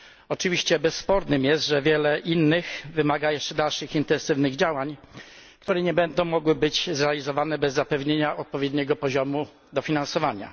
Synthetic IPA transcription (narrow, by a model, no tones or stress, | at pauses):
ɔt͡ʂɘvʲiɕt͡ɕɛbɛsːpɔɾdnɘmjɛst̪ʐɛvʲjɛlɛʔinːɘxvɘmaɡajɛʂt͡ʂɛd̪alʂɘxint̪ɛ̃nsɘvnɘɣd͡ʑawaɲkt̪uɾɛɲɛbɛnd̪ɔ̃w̃mɔɡwɘbɘd͡ʑzɾɛalʲizɔvanɛbɛzːapɛvɲeɲaʔɔt̪̚pɔvʲjɛd̪ɲɛɡɔpɔʑɔmu | d̪ɔfʲinansɔvaɲa̰